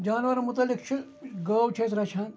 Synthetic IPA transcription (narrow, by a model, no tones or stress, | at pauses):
d͡ʒaːnʋɐɾmut̪ɐlːikt͡ʃʰi | ɡɐːwt͡ʃʰeːsɾɐt͡ʃʰɐn